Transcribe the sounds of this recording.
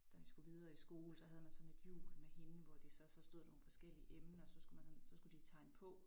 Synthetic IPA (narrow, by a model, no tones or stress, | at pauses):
d̥æd̥isɡ̥uʋið̞ˠɐːisɡ̥o̝ːl̩sɒ̽ɦæð̞ˠmænsɒ̽ne̝d̥jṵːmehe̝nʋɒd̥isɒsɒ̽sd̥o̝ð̰ˠd̥ɑnonfɒ̽sɡ̥el̰iəʔemnəɒsɒ̽sɡ̥umænsɒ̽nsɒ̽sɡ̥ud̥it͡sʰɑ̈ɪ̰nəpʰɔ̽